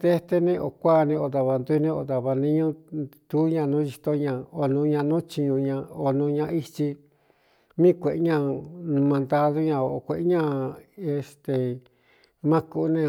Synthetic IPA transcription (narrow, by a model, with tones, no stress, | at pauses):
d̪e˦˧t̪e˧nẽ˦ʔo˨kʷa˦˨˧nĩ˧o˧ða˧βa˧nd̪u˧˦˧nĩ˦o˧ða˨βa˧nĩ˦ɲũ˦t̪u˦ɲã˧nũː˦i˧t̪o˧ɲã˧˨o˧nũ˧ɲã˧nũ˦t͡ʃi˧ɲũ˧ɲã˧o˧nũ˧ɲã˧i˧t͡ʃi˧ | mĩ˦˨˧kʷe˨ʔɲã˦˧nũ˧mã˧nd̪a˦ðo˦ɲã˧o˧˨kʷe˨ʔɲã˦˧e˧st̪e˨ | mã˦ku˧˦nẽ˧